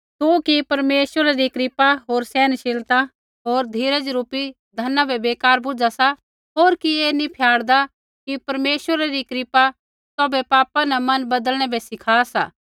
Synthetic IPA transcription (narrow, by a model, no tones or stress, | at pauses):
t̪ũkipɐɾmeːʃwəɾaɾikɾɪpaɦoːɾsɛːnʃɪlt̪a | ɦoːɾd̪ʱiːɾəd͡ʒɾuːpi | d̪ʱɐnabʱɛbeːkaːɾbʊd͡ʒasa | ɦoːɾkieːnĩpʰjaːɽd̪a | kipɐɾmeːʃəɾaɾikɾɪpa | t̪ɔːbɛpaːpãnɛ̃mɐnbɐd̪əlɽ̃ɛbʱɛsɪkʰaːsa̰ː